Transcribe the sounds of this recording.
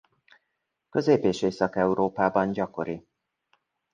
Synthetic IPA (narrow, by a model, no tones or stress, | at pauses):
kø̞zeːpeːʃeːsɒkɛuɾoːpaːbɒnɟɒko̞ɾi